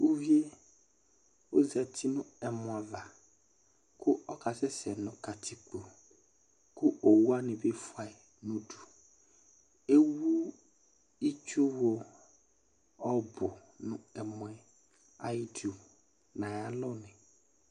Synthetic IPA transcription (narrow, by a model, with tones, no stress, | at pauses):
u˦vi˦e˦ | o˦zɛ˨tʰi˦nʊ̃˦ɛ˨mʊ̃˨a˨va˨ | kʊ˦ɔ˦ka˨sɛ˦sɛ˨nʊ̃˨ka˨ti˨k͡po˨ | kʊ˦o˨wu˦a˦nɪ̃˨be˦fʊ˨a˨e˨ | nũ˦du̥˨ | e˦wu˦ | i˦t͡ʃu˦wo˨ | ɔ˦bʊ˨ | nʊ̃˦ɛ˨mʊ̃˨ɛ˨ | a˨i˦tu˨ | nã˨ja˦lɔ˦nɪ̃˨